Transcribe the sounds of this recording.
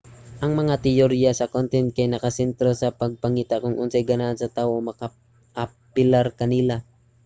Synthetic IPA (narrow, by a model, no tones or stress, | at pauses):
ʔɐŋmɐŋat̪ɪjoɾijasɐkont̪ɛnt̪̚kɐjnɐkɐsɛnt̪ɾosɐpɐɡ̚pɐŋiːt̪akʊŋʔʊnsɐjɡɐnaʔnsɐt̪aːwomɐka | ʔa | pɪlaɾkɐnɪla